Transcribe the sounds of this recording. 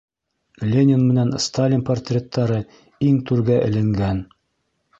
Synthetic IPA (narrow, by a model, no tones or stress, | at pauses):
lʲenʲɪnmɘ̆nænst̪alʲinport̪ʲrʲet̪ʰːɑɾɤ | iŋt̪ʉɾɡæʔɘ̰̆lɘ̆ŋɡæn